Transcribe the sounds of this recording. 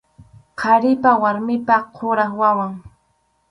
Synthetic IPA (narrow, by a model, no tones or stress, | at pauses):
qʰɑɾɪpawaɾmɪpaqʰoɾaχwawaŋ